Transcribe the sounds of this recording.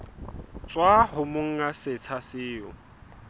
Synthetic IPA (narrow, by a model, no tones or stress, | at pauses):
t͡swahʊmʊŋ̩asɪt͡sʰasɪːʊ̰